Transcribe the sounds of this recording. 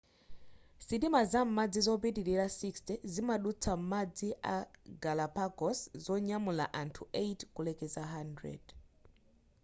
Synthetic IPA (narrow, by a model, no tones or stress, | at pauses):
sitimazam̩mad͡zizɔp̬itiɾiɾasikstɛzimaɗut͡sʰam̩mad͡ziʔa̰ɡalapakɔszɔɲamula̰ʔantʰuejtkulɛkɛzaɦandɹɛ̰d̥